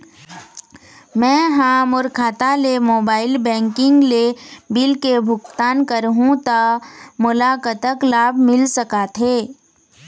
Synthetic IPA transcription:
mɛ̃ːɦaːmʊɾkʰaːt̪alemoːbaːɪlbɛ̃ːŋkɪ̃ŋɡlebɪlkebʱʊkt̪aːnkəɾɦũt̪amʊlaːkət̪əklaːbʱmɪlsɐkat̪ʰɦeː

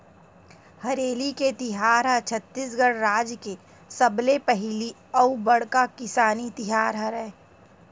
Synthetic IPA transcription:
hɐɾeːliket̪ɪɦaːɾɦat͡ʃʰət̪ːis̬ɡəɽɾaːd͡ʒke | sɐblepɛɦli | ɐubɐɽkakɪsaːnit̪ɪɦaːɾɦɐɾɛː

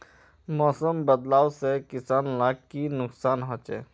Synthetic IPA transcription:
mɔːsəmbəd̪laːwsekɪsaːnlaɡ̚kinʊksaːnɦɔt͡ʃɛ̰ː

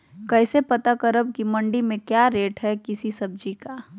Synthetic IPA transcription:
kɛːsepɐt̪akəɾəb̚kimɐ̃ɳɖimẽkjaːɾeːʈɦɛkɪsisɐb̚d͡ʒikaː

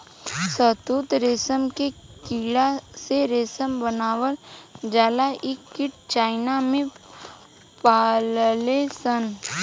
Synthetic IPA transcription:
sət̪uːt̪ɾeːsəmkekiːɽaseɾeːsəmbənaːʋəld͡ʒaːlaʔɪkːɪʈ̚t͡ʃaːɪnamẽ | paːllesən

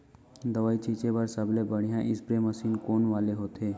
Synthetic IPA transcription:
d̪əʋaːit͡ʃiːt͡ʃebəɾsəblebəɽ̤ijãʔɪsbɾeməsiːnkoːnʋaːleɦoːt̪eː

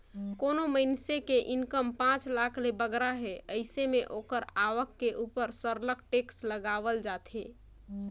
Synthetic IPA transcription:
konoməɪnsekeʔinkəmpãt͡ʃlakʰlebəɡɾaɦeəɪsemeʔokəɾaʋəkːeʔupəɾsəɾlək̚ʈeksləɡaβəld͡ʒat̪ʰe

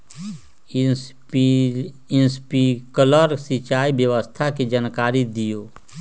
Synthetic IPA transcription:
ɪnspikələɾsit͡ʃaːibjəʋəst̪ʰakid͡ʒənkaːɾid̪ijoː

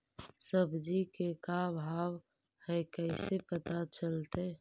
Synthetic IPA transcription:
səbd͡ʒikekabʱaːw | hɛkɛɪsepət̪at͡ʃəlt̪e

